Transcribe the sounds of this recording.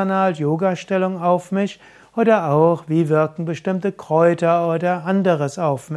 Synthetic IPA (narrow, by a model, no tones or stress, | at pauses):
anaːljoːɡaʃtɛlʊŋaʊfmɪç | ʔoːdɐaʊxviːvɪɐkŋ̩bəʃtɪmtəkʁ̥ɔʏtɐoːdɐʔandəʁəsaʊfmɪ